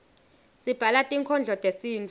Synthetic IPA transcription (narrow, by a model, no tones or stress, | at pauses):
sib̥ʱalatʼiŋkʰɔnd͡ɮʱɔtʼesiːnt͡f